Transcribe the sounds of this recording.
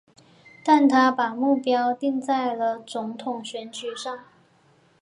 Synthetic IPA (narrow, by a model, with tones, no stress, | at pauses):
t̪a˥˩nt̪ʰa˥pa˨˩mu˥˩pjɑ˥ʊt̪i˥˧ŋt͡sa˥˩ɪlə˩t͡sʊ˧˥ŋt̪ʰʊ˨˩ŋɕɥɛ˧˥nt͡ɕy˨˩ʂɑ˥˩ŋ